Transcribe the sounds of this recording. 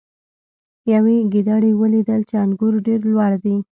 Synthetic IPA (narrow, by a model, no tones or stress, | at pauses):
jaweɡid̪aɽiwəlid̪əlt͡ʃeanɡuɾɖeɾlwɑɽd̪i